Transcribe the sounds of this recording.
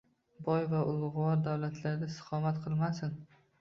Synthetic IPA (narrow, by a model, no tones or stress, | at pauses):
bɒjvaʔʊlˠʁʊwɒɾd̪awlat̪ʰlaɾd̪asɨ̥qʰɒmat̪qʰɨlˠmasɪn